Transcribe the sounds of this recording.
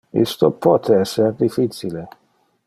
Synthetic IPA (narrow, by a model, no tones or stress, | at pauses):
ḭst̪opʰɔt̪ʰeɛsːerd̪ifit͡ʃile